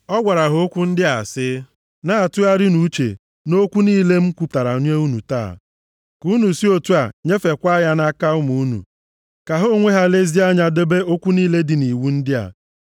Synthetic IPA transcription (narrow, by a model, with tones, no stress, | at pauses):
ɔ˦ɡʷa˨ɾa˨ɦʊ˦o˦kʷu˦n̩˦dɪ˦a̰˨sɪ˦ | na˦˨tʊ˦a˦ɾɪ˦nu˨˦t͡ʃḛ˨ | no˦kʷu˦niː˦le˦m̩˦kʷu˦ta˨ɾa˨o˦ɲe˦u˦nu˨ta̰ː˦˨ | ku˦nu˨si˦o˨tu˦a˨ɲe˦fe˨kʷa˦ja˦na˦ka˦ʊ˦mu˨u˦nṵ˨ | ka˨ɦo˦ŋʷe˦ɦa˦le˦zi˦a˦ɲa˨de˦be˦o˦kʷu˦niː˦le˦dɪ˨ni˨wu˦n̩˦dɪ˦a̰˨